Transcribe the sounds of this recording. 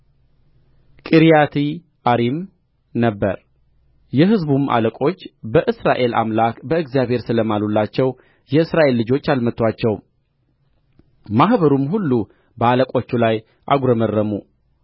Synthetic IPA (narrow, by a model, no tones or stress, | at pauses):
kʼɨɾjat̪ʰi | ʔaɾim | nəbːə̰ɾ | jɛɦɨzbumʔa̰ləkʼo̞t͡ʃːbəʔɨsɾaʔe̞la̰mlakbəɨɡzjaβhe̞ɾsɨləmalulːat͡ʃːɛw | jɛɨsɾaʔe̞lːɨd͡ʒo̞t͡ʃːalmət̪ːwat͡ʃːɛw | mahβəɾumɦulːu | bəaləkʼo̞t͡ʃːulaj | ʔa̰ɡuɾəmərːəmu